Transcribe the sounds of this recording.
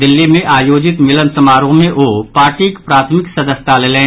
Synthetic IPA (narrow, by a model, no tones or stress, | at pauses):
d̪ɪlːimẽʔaːjoːd͡ʒɪt̪mɪlənsɐmaːɾõmẽʔoːpaːʈiːkpɾaːt̪ʰmɪksɐd̪əsɪ̥t̪ʰaleːleː